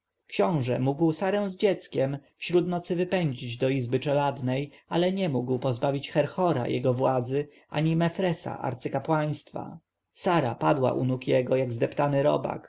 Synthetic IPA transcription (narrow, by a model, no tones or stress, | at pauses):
kɕɔ̃w̃ʐɛ̰muɡwsaɾɛw̃zd͡ʑɛt̪skʲɛmfɕɾut̪nɔt̪sɘvɘpɛɲd͡ʑid͡ʑd̪ɔizbɘt͡ʂɛlad̪nɛjalɛɲɛmuɡwpɔzbavʲit͡ɕxɛɾxɔɾa̰jɛ̰ɡɔvwad̪zɘ | ʔa̰ɲimɛfɾɛsa̰ʔa̰ɾt̪sɘkapwaj̃st̪fa̰ | saɾa̰pad̪wa̰ʔunukjɛɡɔjaɡzd̪ɛpt̪anɘɾɔ̰ba̰k